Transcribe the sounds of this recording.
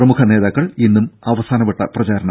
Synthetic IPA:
rɐmukʰɐne̞ːðaːkːɐɭinːumɐʋɐsaːnɐpːɐʈːɐprɐt͡ɕaːɾɐɳɐ

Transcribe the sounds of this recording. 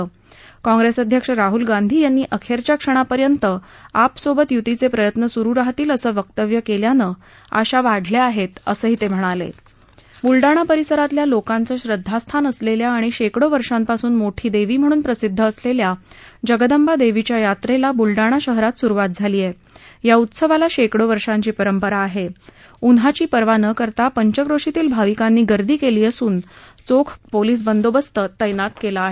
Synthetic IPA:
kɔ̃ŋɡɾesəd̪ʱjəkʂəɾaɦulɡand̪ʱiːjanːiːʔəkʰeɾt͡ɕjakʂəɽ̃apəɾjənt̪əapsobət̪jut̪it͡sepɾəjət̪nəsuɾuɾaɦt̪iːləsəːʋək̚t̪əʋjəkeljanəː | ə̰ɕaʋaɽʱleaɦet̪ə̰səːɦiːt̪em̤əɽ̃alḛ | bulɖaɽ̃apəɾisəɾat̪ljalokant͡səːɕɾəd̪ʱːast̪ʰanəsleljaːɽ̃iɕekɽoʋəɾʂãmpasuːnmoʈʰiːd̪eʋiːm̤əɽ̃uːnpɾəsid̪ʱːəːsleljad͡ʑəɡəd̪əmbad̪eʋit͡ɕjajat̪ɾelabulɖaɽ̃aɕəɦɾat̪suɾuʋat̪̚d͡zʱaliːje | jaut̪səʋalaɕekɽoʋəɾʂãɲt͡ɕiːpəɾəmpəɾaːɦe | unɦat͡ɕiːpəɾʋanəkəɾt̪apəɲt͡ɕəkɾoʂit̪iːlbʱaʋikanːiːɡəɾd̪iːkeliːəsuːn | t͡sokʰpoliːs̬bənd̪obəst̪ət̪ːəjnat̪kelaːɦe

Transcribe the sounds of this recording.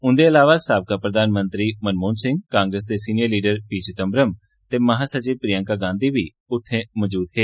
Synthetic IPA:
ʊ̃nd̪eɐlaːʋasaːbkapɾəd̪aːnmə̃nt̪ɾimənmoːnsɪ̃ŋɡkãːŋɡɾəs̬d̪esiːnɪjəɾliːɖəɾpiːt͡ʃɪt̪əmbɾəm | t̪eːmɐɦaːsət͡ʃiːʋpɾɪjə̃ŋkaɡãːnd̪ibi | ʊt̪ʰːẽməd͡ʒuːt̪ɦeː

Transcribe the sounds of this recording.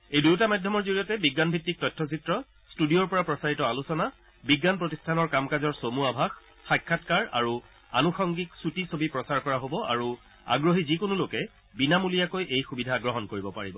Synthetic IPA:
ejduwtamadʱjɔmɔɹzoɹijɔtɛbiɡːanbʱitːik̚tɔjtʰːɔs̬itɹɔ | studijɔɹpɔɹapɹɔsaɹitɔalusɔna | biɡːanpɹotistʰanɔɹkamkazɔɹsomuabʱax | xajkʰːatkaɹa̰ɹu | a̰nuxɔŋɡiksutisobipɹɔsaɹkɔɹaɦobɔa̰ɹu | a̰ɡɹoɦizikonulokɛ | binamulijakojʔejxubidʱaɡɹɔɦɔnkoɹibɔpaɹibɔ

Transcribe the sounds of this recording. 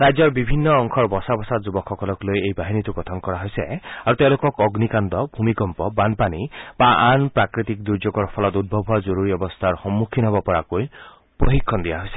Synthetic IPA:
ɾajd͡ʒɔɹbibʱinːɔːŋkʰɔɹbɔsabɔsatzubɔkʰːɔkɔlɔklojejbaɦinit̪uɡɔt̪ʰɔnkɔɾaɦojseaɾut̪ew̃lokɔkɔɡnikand̪ɔbʱumikɔmpɔbanpanibaanpɹakɾit̪ik̚d̪uɾd͡ʒoɡɔɹpʰɔlɔt̪ud̪̚bʱɔbʱuwazoɾuɾiɔbɔst̪ʰaɹxɔmːukʰinɦɔbɔpɔɹakoj | poɦikʰːɔnd̪ijaɦojse̥

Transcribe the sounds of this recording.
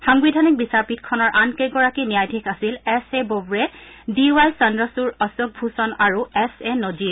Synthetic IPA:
xaŋbidʱanik̚bisaɹpitkʰɔnɔɹʔankeɡɔɹakinijajdʱikʰasilɛsebobɹɛdiwajsandɹɔsuɹɔsɔk̚bʱusɔnaɹuɛsenozi

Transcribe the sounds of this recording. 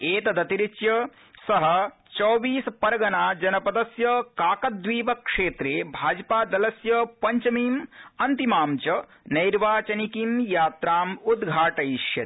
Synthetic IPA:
eːt̪ɐd̪ɐt̪iɾit͡ʃjɐ | sɐɦɐ | t͡ʃoːʋiːspɐɾɐɡɐnaːd͡ʒɐnɐpɐd̪ɐsjɐkaːkɐd̪ʋiːʋɐkʂeːt̪ɾeːbʱaːd͡ʒɐpaːd̪ɐlɐsjɐpɐɲt͡ʃɐmiːmɐnt̪imaːmt͡ʃɐ | nɐjɾʋaːt͡ʃɐnikimjaːt̪ɾaːmud̪ɡʱaːʈɐjʃjɐt̪

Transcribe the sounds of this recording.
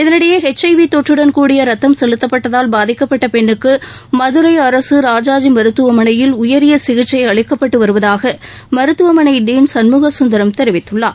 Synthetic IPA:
ɪðɐnɯɽɐjɐhɛt͡ʃːɐɪʋit̪ɔʈrɯɽɐnkuːɽɪjɐɾɐt̪ːɐmsɛlɯt̪ːɐpːɐʈːɐðaːlbaːðɪkːɐpːɐʈːɐpɛɳːɯkːɯ | mɐðɯɾɐɪɐɾɐsɯɾaːd͡ʒaːd͡ʒimɐɾɯt̪ːɯʋɐmɐnɐjɪlʊjɐɾɪjɐsɪɣɪt͡ʃːɐɪɐɭɪkːɐpːɐʈːɯʋɐɾɯʋɐðaːɣɐ | mɐɾɯt̪ːɯʋɐmɐnɐɪɖiːnsɐnmuːɣɐsʊnd̪ɐɾɐmt̪ɛɾɪʋɪt̪ːɯɭːɐː

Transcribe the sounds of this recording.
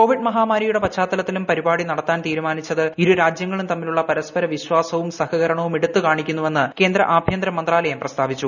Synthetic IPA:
ko̞ːʋiɖmɐɦaːmaːɾijuɽe̞pɐt͡ɕːaːt̪ːɐlɐt̪ːilumpɐɾibaːɽinɐɽɐt̪ːaːnt̪iːɾumaːnit͡ɕːɐðɨiɾuɾaːd͡ʑjɐŋːɐɭumt̪ɐmːiluɭːɐpɐɾɐspɐɾɐʋiɕwaːsɐʋumsɐhɐɣɐɾɐɳɐʋumeɽut̪ːɨkaːɳikʲːunːuʋe̞nːɨke̞ːnd̪ɾɐ̰ʔaːbʱjɐnd̪ɾɐmɐnd̪raːlɐjɐmprɐst̪ʰaːʋit͡ɕːu

